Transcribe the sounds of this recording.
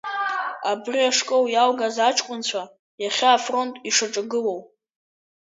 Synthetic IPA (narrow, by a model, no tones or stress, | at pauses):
abriaʂkʼowjalɡazat͡ʃʰʼkʷʼʊnt͡ɕʷʰa | jaχʲaːfro̞ntʼiʂaʈ͡ʂʼɨɡɨlow